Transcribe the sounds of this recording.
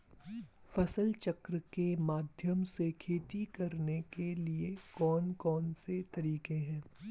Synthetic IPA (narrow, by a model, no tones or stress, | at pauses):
fɐsəlt͡ʃɐkɾəkemaːd̪ʱjəmsekʰeːt̪ikɐɾnekeliekɔːnkɔːnset̪ɐɾiːkẽɦɛ̃ː